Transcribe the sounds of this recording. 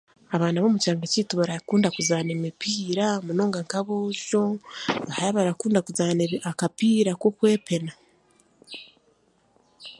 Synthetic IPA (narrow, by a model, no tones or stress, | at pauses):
aβaːnaβo̞mucaːŋɡaciːtuβaɾakuːndakuzaːnemipiːɾamuno̞ːŋɡaŋkaβoːʃo̞βahaɾaβaɾakuːndakuzaːneakapiːɾakokwe̞ːpe̞na